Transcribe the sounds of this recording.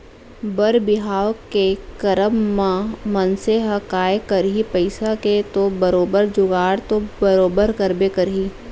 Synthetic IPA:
bəɾbɪɦaːwkekɐɾəmːãmɐnseɦɐkaːjekɐɾɦipɐɪsaket̪obɐɾoːbəɾd͡ʒʊɡaːɽt̪obɐɾoːbəɾkəɾbekəɾɦiː

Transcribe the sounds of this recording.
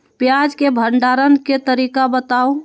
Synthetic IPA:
pjad͡ʒkebʱəɳɖaɾənket̪əɾiːkabət̪au

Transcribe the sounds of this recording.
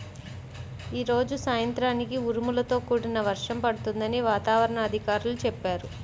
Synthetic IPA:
iːɾo̞ːd͡ʒusaːjɐnt̪ɾaːnikiuɾumulɐt̪o̞ːkuːɽinɐʋɐɾʂɐmpɐɽut̪und̪ɐniʋaːt̪aːʋɐɾɐɳɐːd̪ʱikaːɾulut͡ʃɛpːaːɾu

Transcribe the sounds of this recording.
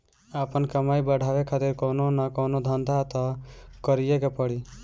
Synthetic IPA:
əpənkəmajbəɽʱabekʰat̪iɾkononakonod̪ʱənd̪ʱat̪ɔkəɾijekepəɽi

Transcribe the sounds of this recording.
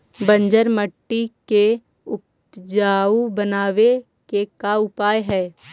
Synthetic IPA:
bə̃ɲd͡ʒəɾməʈːike | ʊp | d͡ʒaːubənaːʋe | kekaʊpaːjɦɛː

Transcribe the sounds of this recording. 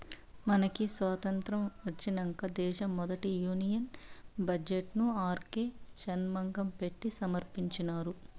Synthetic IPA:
mɐnɐkisʋaːt̪ɐnt̪ɾɐmʋɐt͡ʃːinɐŋkɐd̪ɛːʃɐmːɔd̪ɐʈijuːnijɐnbɐd͡ʒeʈnuaːɾkeːʃɐnmɐŋɡɐmpe̞ʈːisɐmɐɾpiɲt͡ʃinaːɾu

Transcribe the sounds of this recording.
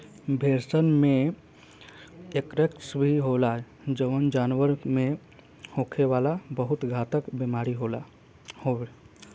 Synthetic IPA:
bʱeːɾsənmẽ | ekɾeksbiɦoːla | d͡ʒəʋənd͡ʒaːnʋəɾmẽ | hoːkʰeʋaːlabəɦʊt̪ɡʱaːt̪əkbemaːɾiɦoːla | ho

